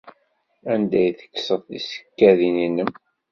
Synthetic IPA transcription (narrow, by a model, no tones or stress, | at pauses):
ænd̪æjθə̥kːsəðˤðisə̥kːæðininəm